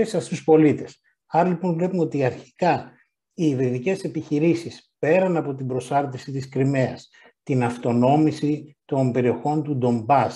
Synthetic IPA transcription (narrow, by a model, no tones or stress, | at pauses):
esɐst̪uspo̞lit̪e̞s | ɐɾɐlipo̞nvle̞pumeo̞t̪iɐɾçi̥kɐ | iɾiðice̞se̞piçiɾisispe̞ɾɐnɐpo̞t̪ibɾo̞sɐɾt̪isit̪iskɾime̞ɐs | t̪inɐft̪o̞no̞misit̪o̞mbe̞ɾio̞xo̞nt̪ud̪o̞mbɐs